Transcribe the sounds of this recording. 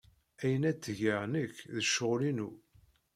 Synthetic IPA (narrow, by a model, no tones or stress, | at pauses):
æjənæt͡s̪ːəʝəʕnəkðəʃʊʁlinu